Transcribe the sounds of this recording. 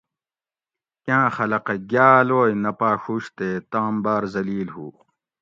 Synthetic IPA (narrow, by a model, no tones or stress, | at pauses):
kãːxɐlɐqɐɡjaːloːjnɐpaːɕuɕt̪eːt̪aːmbaːɾzɐliːlhuː